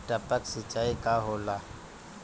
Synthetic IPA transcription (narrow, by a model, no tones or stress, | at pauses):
ʈəpəksɪt͡ʃːaːikaɦoːlaː